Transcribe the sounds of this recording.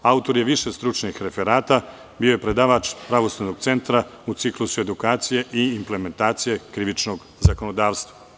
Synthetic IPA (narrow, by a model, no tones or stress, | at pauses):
aut̪o̞ɾje̞ʋiʃest̪ɾut͡ʃnixɾe̞fe̞ɾaːt̪a | bio̞je̞pɾe̞d̪aːʋaːt͡ʃpɾaʋo̞slanoɡ̥̚t̪se̞nt̪ɾaut̪siklusue̞d̪ukaːt̪sije̞ʔiːmple̞me̞nt̪aːt̪sije̞kɾiʋit͡ʃno̞ɡ | zako̞nod̪aːʋst̪ʋa